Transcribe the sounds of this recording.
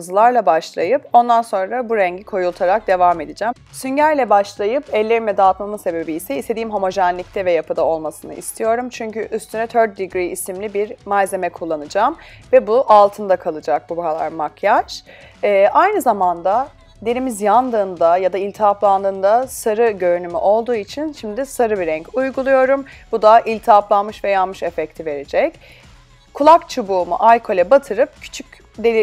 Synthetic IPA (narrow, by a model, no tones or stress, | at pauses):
ɯzɯlˠaɾlˠabaʃlˠajɯpo̞nd̪anso̞nɾabuɾɛɲɟikʰo̞julˠt̪ʰaɾak̚d̪e̞vame̞d̪id͡ʒæmsyɲɟæɾlʲɛbaʃlˠajɯpʰɛlʲːe̞ɾinvɛd̪aːt̪mamɯse̞be̞biːsɛist̪e̞d̪iːimɦomo̞ʒɛnlːʲic̚t̪ʰɛvɛjapɯd̪ao̞lˠmasɯnɯ̰ʔḭst̪ʰijo̞ɾumt͡ʃʰyɲcyʔyst̪ʰynɛt̪ʰøɾt̪̚d̪ːiɡɾiisimlʲibiɾmalʲze̞mɛkʰulˠːanɯd͡ʒamvɛbuʔalˠt̪ʰɯnd̪akʰalˠɯd͡ʒak̚bubaɾalˠa̰ɾmakʰjaʃː | ajnɯzamand̪a | d̪e̞nimizjand̪ɯːnd̪ajad̪ailʲt̪ʰaplˠand̪ɯːnd̪asaɾɯɟø̞ɾynymy̰ʔo̞lˠd̪uːit͡ʃʰinʃimd̪ɪsaɾɯbiɾɛɲcʰujɡulˠujo̞ɾumbud̪aʔilʲt̪ʰaplˠanmɯʃvɛjanmɯʃefɛct̪ʰive̞ɾed͡ʒɛc | kʰulˠakt͡ʃʰubuːmṵʔalʲkʰo̞lʲɛbat̪ʰɯɾɯp̚cʰy̥t͡ʃʰycʲ | d̪elʲi